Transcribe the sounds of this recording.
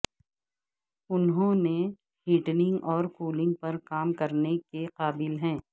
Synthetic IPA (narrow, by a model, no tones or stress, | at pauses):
ʊnɦõne | ɦiːʈnɪ̃ŋɡɔːɾkuːlɪ̃ŋɡ̚pɐɾkaːmkɐɾnekeqaːbɪlɦɛ̃ː